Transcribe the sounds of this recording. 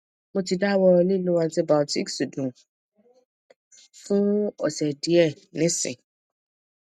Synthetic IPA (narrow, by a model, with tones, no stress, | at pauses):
mõ˦ti˨da˦˨wɔ˦˨nĩ˦nũ˦wã˨n˦tɪ˦˨ba˨ti˦ksu˨dũ˨ | fʊ̃˦ɔ˨sɛ˨di˨˦ɛ˦˨ | nɪ̃˨˦sɪ̰̃˨